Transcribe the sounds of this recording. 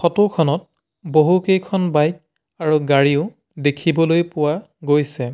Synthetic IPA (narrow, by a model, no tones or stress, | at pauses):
xɔtʊkʰɔnɔt̚ | boɦukejkʰɔnbajt̚ | aɹuɡaɹiʊ | dekʰibɔlojpʊwa | ɡojsɛ